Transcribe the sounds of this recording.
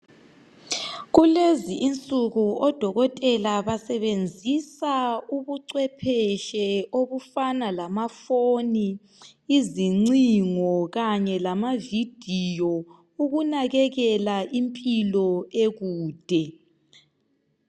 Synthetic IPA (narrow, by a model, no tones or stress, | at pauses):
ɣuleziʔint͡sʼuɣuɔd̥ʱɔɣɔtʼɛlaβasɛβend͡zʱisauβuǀwɛpʰɛʃɛoβufanalamafoni | iziŋ͡ǀiŋɔɣaɲɛlamavid̥ʱijɔ | uɣunaɣɛɣɛlaʔimpʼilɔeɣuːd̥ʱɛ